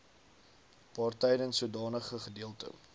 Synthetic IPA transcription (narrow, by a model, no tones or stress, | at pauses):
pɑːrtɛjdənsuədɑːnəχəχədiəlˠtə̰